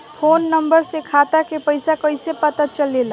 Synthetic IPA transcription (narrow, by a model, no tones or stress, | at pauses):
pʰonːəmbəɾsekʰat̪akʰepəɪsakəjsepət̪at͡ʃəlela